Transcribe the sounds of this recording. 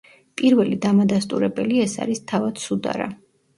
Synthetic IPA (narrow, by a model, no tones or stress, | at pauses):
pʼiɾvɛlid̪amad̪ast̪ʼuɾɛbɛliɛsa̰ɾist̪ʰavad̪̥sud̪a̰ɾa̰